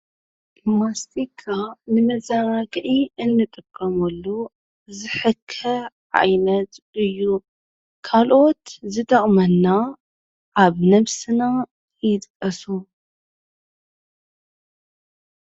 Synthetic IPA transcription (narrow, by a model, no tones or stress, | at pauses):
mast̪ikʰːanɨmɐzanaɡʕiɨnːɨt̪ʼɨkʼːɐmɐlːu | zɨħɨkʰːɐ | ʕa̰jnɐt̪ | ɨjːu | kʰalʔo̞t̪zɨt̪ʼɐχʼmɐnːa | ʕaβnɐβsɨna | jɪt̪ʼkʼːɐsu